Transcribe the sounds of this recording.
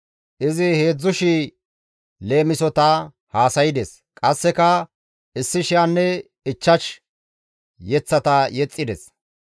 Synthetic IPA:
ʔɪzɪhe̞ːd͡zːʊʃi | le̞ːmɪsɔt̪ɐ | haːsɐjɪd̪ɛs | kʼɐsːɛkɐ | ʔɪsːɪʃɪjanːɛ | ɪt͡ʃːɐʃ | jɛt͡sːɐt̪ɐjɛt͡sʼːɪd̪ɛs

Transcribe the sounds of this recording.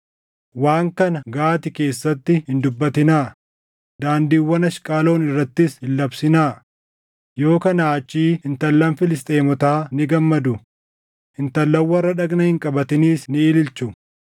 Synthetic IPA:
waːŋkɐnɐɡaːt̪ɪke̞ːsːɐt̪ːɪhɪnd̪ʊbːɐt̪ɪnaː | d̪aːnd̪iːwːɐnɐʃkʼaːlo̞ːnɪrːɐt̪ːɪshɪlːɐbsɪnaː | jo̞ːkɐnaːt͡ʃʼːiːɪnt̪ɐlːɐnfɪlɪst̪ʼeːmɔt̪aːnɪɡɐmːɐd̪ʊ | hɪnt̪ɐlːɐwːɐrːɐᶑɐɡnɐhɪŋkʼɐbɐt̪ɪniːsnɪɪːlɪlt͡ʃʊ

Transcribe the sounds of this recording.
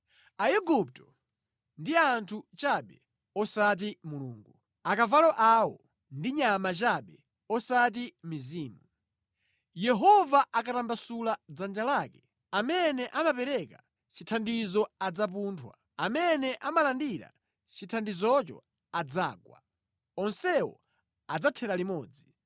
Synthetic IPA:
aɛɡup̚tɔ̥ | ndiantʰut͡ʃaɓɛ | ɔsat̬imulṵːŋɡu | akavalɔʔawɔ̰ | ndiɲamat͡ʃaɓɛ | ɔsat̬imiziːmu | jɛɦɔvaʔakatambasulad͡zand͡ʒalaːkɛ | amɛnɛʔamapɛɾɛka | t͡ʃitʰandizɔad͡zap̬untʰwa | amɛnɛʔamalandiɾa̰ | t͡ʃitʰandizɔt͡ʃɔ̰ | ad͡zaːɡwa̰ | ɔnsɛwɔ̰ | ad͡zatʰɛɾalimɔːd͡zi

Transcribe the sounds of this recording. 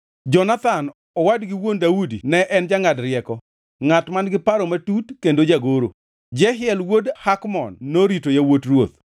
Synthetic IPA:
d͡ʒɔnat̪an | ɔwadɡɪwondaudinɛʔɛnd͡ʒaŋadɾɪɛkɔ | ŋatmanɡɪpaɾɔmatutkendod͡ʒaɡoɾo̰ | d͡ʒɛɦɪɛlwodhakmɔnːoɾitojawotrwot̪̚

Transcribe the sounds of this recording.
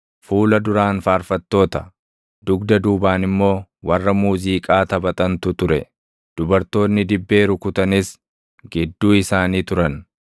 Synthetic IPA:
fuːlɐd̪ʊɾaːnfaːɾfɐt̪ːo̞ːt̪ɐ | d̪ʊɡd̪ɐd̪uːbaːnɪmːo̞ːwɐrːɐmuːziːkʼaːt̪ɐbɐt̪ʼɐnt̪ʊt̪ʊɾɛ̰ | d̪̥ʊbɐɾt̪o̞ːnːɪd̪ɪbːe̞ːɾʊkʊt̪ɐnɪs | ɡɪd̪ːuːɪsaːniːt̪ʊɾɐn

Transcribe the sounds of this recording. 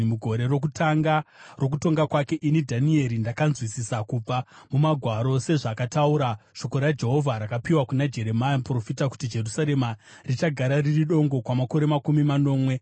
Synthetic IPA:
muɡʱo̞ɾe̞ro̞k̬utaŋɡaro̞k̬uto̞ŋɡakwake̞ʔinidʱanie̞ɾindakanzwisisakub͡vamumaɡʱwaɾo̞se̞ʐakatauɾaʃo̞ko̞ɾad͡ʒe̞ɦo̞vʱaɾakapiwakunad͡ʒe̞ɾe̞majapro̞fitaku̥tid͡ʒe̞rusaɾe̞ma | rit͡ʃaɡʱaɾaririɗo̞ŋɡo̞kwamako̞ɾemakumimano̞ːmwe̞

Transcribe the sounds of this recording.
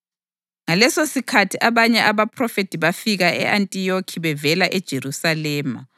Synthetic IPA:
ŋalɛsosikʰatʰiʔaβaɲɛʔaβapʰrɔfetʼiβafiɣaɛ̰ʔantʼijokʰiβɛvɛlaʔɛd̥ʒ̥ʱeɾusalɛːma

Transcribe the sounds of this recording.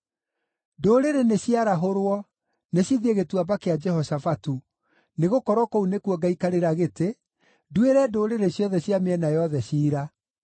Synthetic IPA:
doːɾeɾeneɕjaɾaɦoɾwɔ | neɕiðieɣetwabakead͡ʒɛhɔsafatu | neɣokɔɾwɔkounekwɔɡaikaɾeɾaɣete | dueɾɛdoːɾeɾeɕjɔðɛɕjameɛnajɔðɛɕiːɾa

